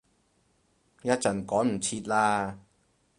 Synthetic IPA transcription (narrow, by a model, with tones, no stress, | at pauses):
jɐ˥t̚t͡sɐ˨˩nkɔː˨˥nm̩˨˩t͡sʰiː˧t̚laː˧